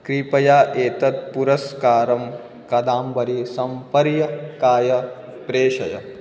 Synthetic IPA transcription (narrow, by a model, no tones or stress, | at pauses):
kɾiːpɐjaːʔeːt̪ɐt̪̚puɾɐskaːɾɐm | kɐd̪aːmbɐɾisɐmpɐɾjɐkaːjɐpɾeːʃɐ̰jɐ̰